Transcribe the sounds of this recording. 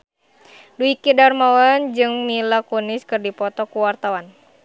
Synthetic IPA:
duikidarmawand͡ʒɨŋmilakunɪskɨrdipɔt̪ɔkuwart̪awan

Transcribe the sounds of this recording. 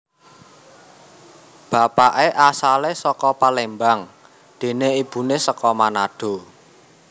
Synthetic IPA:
b̥a̤paʔeʔasalesɔkɔpalembaŋ | d̪̥e̤neib̥ṳnesəkɔmanaɖ̥o̤

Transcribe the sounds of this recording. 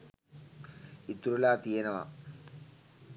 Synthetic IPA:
it̪uɾulaːt̪ijenəʋa̰

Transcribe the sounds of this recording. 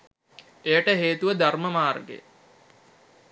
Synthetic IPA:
ejəʈəɦeːt̪uʋəd̪arməmaːrɡḛ

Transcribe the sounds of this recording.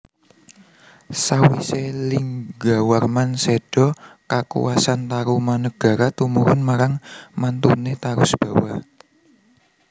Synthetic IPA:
sawiseliŋɡa̤warmanseɖ̥ɔkakṵwʔasant̪aɾumanəɡ̥a̤ɾat̪umuɾʊnmaɾaŋmant̪unet̪aɾʊsb̥ä̤wa

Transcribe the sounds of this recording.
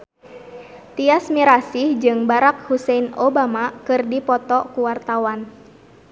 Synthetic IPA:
t̪iasmiɾasihd͡ʒɨŋbaɾak̚husɛnobamakɨrdipɔt̪ɔkuwart̪awan

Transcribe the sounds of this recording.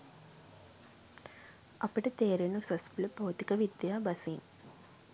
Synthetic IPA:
ɐpiʈɐt̪eːɾenusɐspiləpoːt̪ikɐʋid̪jaːbɐsin

